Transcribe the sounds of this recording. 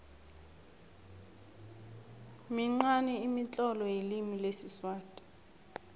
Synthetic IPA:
miŋ͡ǀanɛimit͡ɬʼɔlɔjelimilesiswaːtʼḁ

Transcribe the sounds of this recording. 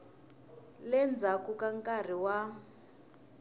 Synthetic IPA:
lɛnd͡zakukaŋkʼar̤iwa

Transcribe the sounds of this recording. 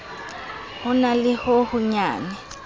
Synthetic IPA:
hʊnalɪhʊhʊɲaːnɛ

